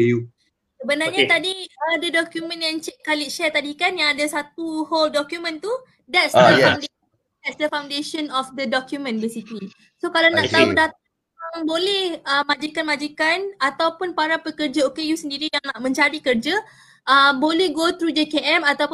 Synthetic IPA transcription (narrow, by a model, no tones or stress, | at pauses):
ju | səbənarɲat̪adiadadɔkjumə̃njãŋt͡ʃɛkːalɪʔʃɛrt̪adikanjaŋadasat̪uholdɔkjumə̃nt̪u | dɛtsd̪əjfawnde | dɛt̚sdəfaw̃ndeʃənɔfd̪ədɔkjumə̃nbisit̪i | sokalanãʔt̪audat̪̚a | aŋbolɛhəmãd͡ʒikanmãd͡ʒikanat̪awpʊnpaɾapəkərd͡ʒaokejusəndiɾijaŋnaʔmə̃ɲt͡ʃaɾikərd͡ʒa | ʔəbolɛhɡot̪ɾud͡ʒekeʔɛmat̪awp